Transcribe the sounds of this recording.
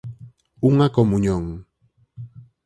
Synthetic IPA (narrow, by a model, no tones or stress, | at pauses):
uŋakomuɲoŋ